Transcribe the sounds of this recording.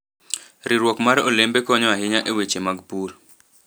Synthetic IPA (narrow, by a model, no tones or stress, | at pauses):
ɾɪɾwɔkmaɾolembekɔɲɔaɦɪɲaʔewet͡ʃemaɡpur